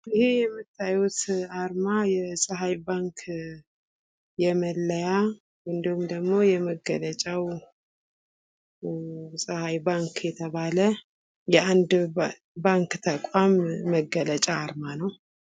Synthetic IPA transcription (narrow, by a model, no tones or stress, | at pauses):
ɪhejɛmːɨt̪ʰːajut̪aɾmajɛsʼəɦajbaŋkʰ | jɛməlːəja | wɨnd̪əhumd̪əɡmo̞jɛməɡːələt͡ʃʼaw | sʼəhajbaŋkjɛt̪ʰəβalə | jɛand̪ | baŋkt̪ʰəkʼamːəɡːələt͡ʃʼaːɾmanəw